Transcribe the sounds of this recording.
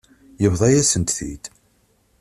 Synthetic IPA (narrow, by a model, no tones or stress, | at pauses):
jəvðˤæjæsənt̪θḭd̪